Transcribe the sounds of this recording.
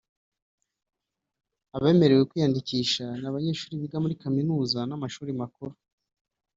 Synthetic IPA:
aβe̞me̞ɾe̞wekwiːjandiciːʃanaβaɲe̞ːʃuːɾiβiɡamuɾikaminuːzanamaʃuːɾimakuɾo

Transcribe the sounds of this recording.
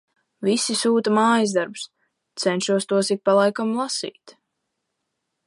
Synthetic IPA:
visisuːt̪amaːjizd̪aɾbs | t̪sɛnʃuɔst̪uɔsik̚palˠajkamlˠasḭːt̪

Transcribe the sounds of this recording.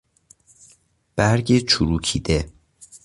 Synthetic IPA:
b̥æɾɟet͡ʃʰuɾuːcʰḭːd̪e

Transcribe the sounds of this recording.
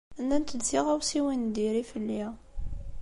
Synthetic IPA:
ənːænt̪əd̪ziʁæwsiwind̪iɾifəlːi

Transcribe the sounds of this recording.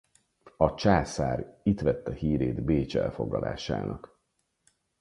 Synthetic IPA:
ɒt͡ʃaːsaːɾit̪ʋɛt̪ːɒhiːɾeːd̪beːt͡ʃɛ̰lfo̞ɡlɒlʔa̰ːʃa̰ːnɒk

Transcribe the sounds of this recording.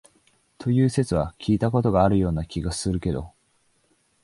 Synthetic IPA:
t̪ʰo̞jɯ̟ːse̞t͡sɨβakʲʰiːt̪ako̞t̪o̞ɡaːɾɯ̟jo̞ːnakʲiɡasɨɾɯ̟ke̞d̪o̞̰

